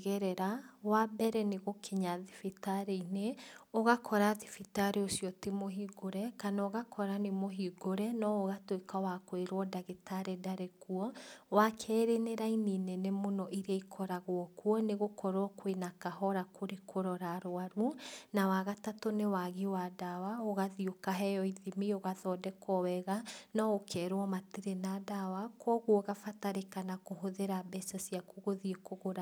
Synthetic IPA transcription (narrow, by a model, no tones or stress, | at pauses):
ɣɛɾɛɾawabɛɾɛneɣokʰeɲaðifitaɾeineoɣakʰɔɾaðifitaɾeosiɔtemoɦiːɡoɾɛkanaoɣakʰɔɾanemoɦiɡoɾɛnɔoɣatwekawakoeɾwɔdaɣetʰaɾɛdaɾɛkuɔwakʰɛːɾeneɾaininɛnɛmonɔʔiɾaikʰɔɾaɣwɔkuɔneɣokʰɔɾoɔkwenakaɦɔɾakʰoɾekʰoɾɔɾaɾoaɾunawaɣatatonewaɣiwadawaoɣaðiokaɦɛjɔiðimioɣaðɔdɛkɔwɛɣanɔokʰɛːɾwɔmateɾenadawakʰɔɣwɔɣafataɾekanakoɦoðeɾabɛsɔsiakuɣoðiekoɣoɾa